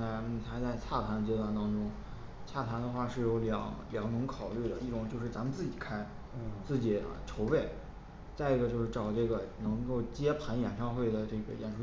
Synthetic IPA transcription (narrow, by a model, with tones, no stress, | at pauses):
a˧˥ɪn̩˥˩t̪ʰa˥t͡sa˥˧ɪt͡ɕʰa˥˩t̪ʰa˧˥nə˧t͡ɕjɛ˥t̪wa˥˩nt̪ɑ˥ŋʈ͡ʂʊ˥ŋ | t͡ɕʰa˥˩t̪ʰa˧˥nd̪ə˧xwa˥˧ʂɻ̩˥˩jo˧˥ʊljɑ̰˧˥ŋljɑ˧˥ŋnɤ˧˥ŋkʰɑ˨˩ʊly˥˩d̪ə̰˩i˥˩ʈ͡ʂʊ˨˩ŋt͡ɕjo˥˧ʊʂ̬ɻ̩˥˩t͡sa˧˥mə˧t͡sɹ̩˥˩t͡ɕi˨˩kʰa˥ɪ˥ | t͡sɹ̩˥˩t͡ɕḭ˨˩˧ʈ͡ʂʰo˧˥ʊpe˥˩ɪ | t͡sa˥˧ɪi˧˥˩ɡə˧t͡ɕjo˥˧ʂɻ̩˥˩ʈ͡ʂɑ˨˩ʊʈ͡ʂɤ˥˩ɡə˩nɤ˧˥ŋko˥˩ʊt͡ɕjɛ˥pʰa˧˥njɛ˨˩nʂɑ˥˧ŋxwe˥˩ɪd̪ə˩ʈ͡ʂɤ˥˩ɡə̰˩jɛ̰˨˩nʂu˥